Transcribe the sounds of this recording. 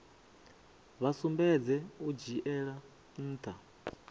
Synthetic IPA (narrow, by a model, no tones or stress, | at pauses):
βasumbɛd͡zɛud͡ʒiʔɛɺa | n̩ːt̪ʰa